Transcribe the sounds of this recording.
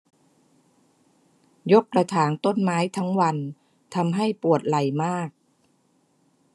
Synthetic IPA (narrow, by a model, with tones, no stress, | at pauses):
jo˦˥kːɾa˧t̪ʰaː˩˦nt̪o˥˩nmaː˦˥jt̪ʰa˦˥ŋwa˧n | t̪ʰa˧mɦa˥˩jpu˨˩ət̪̚la˨˩jmaː˥˩k̚